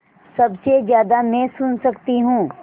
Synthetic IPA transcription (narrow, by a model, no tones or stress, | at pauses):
sɐbsezjaːd̪amɛ̃sʊnsɐkt̪iɦũː